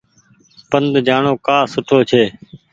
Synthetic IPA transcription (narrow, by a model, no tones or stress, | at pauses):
pənd̪d͡ʒaːɳoːkaːsʊʈʰoːt͡ʃʰeː